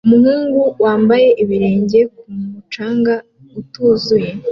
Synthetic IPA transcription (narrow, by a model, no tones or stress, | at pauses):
umhiːŋɡuwaːmbaje̞ʔiβiɾe̞ːɲɟe̞k̚umut͡ʃaːŋɡa | utuːzuje